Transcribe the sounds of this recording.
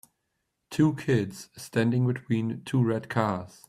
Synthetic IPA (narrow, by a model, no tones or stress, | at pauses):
tʰuːkʰɪdz̥stãndɪ̃ŋbɪtʰw̥ĩːntʰuːɹɛd̚kʰɑːz̥